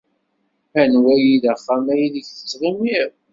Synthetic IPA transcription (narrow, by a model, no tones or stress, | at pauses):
ænwæjiðəχːæmæjiðəçθə̥t͡sːʁimiɾ